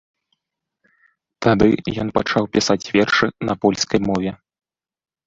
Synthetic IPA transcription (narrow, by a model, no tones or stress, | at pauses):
t̪ad̪ɨjɔnpat͡ʂawpʲisat͡sʲvʲɛrʂɨnɐpɔlʲskɐjmɔvʲɛ